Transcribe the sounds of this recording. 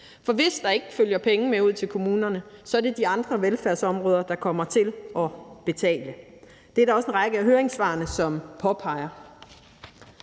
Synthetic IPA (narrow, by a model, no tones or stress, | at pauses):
fɒ̽ʋe̝sd̥ɑ̈e̝ɡ̥əføljɐpʰeŋəmeuð̞̰ˠt͡sʰe̝lkʰo̝muːnɐnəsɒ̽æd̥e̝d̥iɑ̈nd̥ʁɐʋelfæɐ̰sɒ̽mʁɔːð̞ˠɐd̥ɑ̈kʰɒ̽m̰ɐt͡sʰe̝lʔɒ̽b̥e̝t͡sʰɛ̰ːlə | d̥e̝æɐd̥ɑ̈ɒ̽se̝nʁɑ̈ɡ̥əæɦøːɐeŋsʋɑ̈ːnəsɒ̽mpʰɒ̽pʰɑ̈ɪɐ